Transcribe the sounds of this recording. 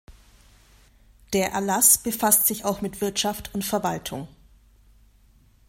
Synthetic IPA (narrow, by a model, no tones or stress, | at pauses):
d̥eːɐʔɛ̰ɐlasb̥əfastz̥ɪçaʊxmɪtv̥ɪɐtʃaftʰʊntfɛɐvaltʰʊŋ